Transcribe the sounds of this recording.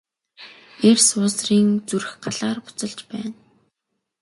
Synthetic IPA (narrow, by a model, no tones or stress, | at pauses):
ersʊːsriːŋt͡surɘ̆xɢaɮaːrpʊ̥t͡sə̆ɮt͡ɕpæːn